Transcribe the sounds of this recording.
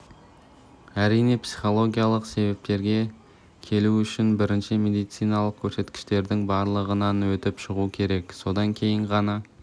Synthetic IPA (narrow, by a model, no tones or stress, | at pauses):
æɾijne̞psi̥χo̞lˠo̞ɡʲijalˠəqse̞βep̚t̪e̞ɾɡʲe̞ | kʲʰe̞luʏʃɪnbɪɾɪnʃɪmʲe̞d̪ijt̪sijnɑlˠəq̚kʲʰɵɾse̞t̪kʲɪ̥ʃt̪e̞ɾd̪ɪŋbɑɾlˠəʁənɑnwɵt̪ɪpʃəʁuəkʲʰe̞ɾe̞kso̞d̪ɑŋkʲʰe̞jɪɴʁɑnɑ